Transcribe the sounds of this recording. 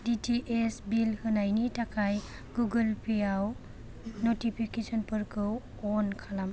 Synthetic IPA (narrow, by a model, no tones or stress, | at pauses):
ditʰiʔesbilhɯnajnitakʰaj | ɡuɡɯlpʰijaw | notipʰikesɔnpɯɾkʰɯ | ɔnkʰalam